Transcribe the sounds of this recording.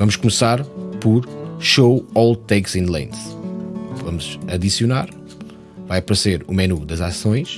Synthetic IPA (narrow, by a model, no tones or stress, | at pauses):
vɐmuʃkumsaɾpɔɾʃowɔlˠt̪ɛkzĩnd̪lˠḛ̃nz | vɐmuzɐðisjuna̰ɾ | vajɐpɐɾseɾumɛnud̪ɐzasõj̃ʃ